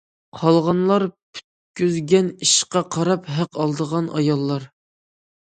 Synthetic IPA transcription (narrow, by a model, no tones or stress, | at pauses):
qʰɑlˠʁɑnlˠɑɾpʰy̥t̪̚kʲyzɡʲɛniʃqɑqʰɑɾɑpɦæqɑlˠd̪əʁɑnʔɑ̰jɑlˠːɑɾ